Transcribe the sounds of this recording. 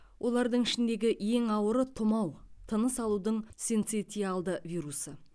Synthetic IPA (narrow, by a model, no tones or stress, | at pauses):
wʔo̞lˠɑɾd̪əɴɪʃɪnd̪e̞ɡʲɪje̞ŋɑwəɾət̪ʰʊmɑwt̪ʰənəsɑlˠud̪əɴsent̪set̪ijɑlˠd̪əvʲijɾusə